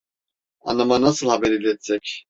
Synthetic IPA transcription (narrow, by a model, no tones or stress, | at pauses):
a̰namanasəlhabɛɾilɛt͡sʰʼɛkʰ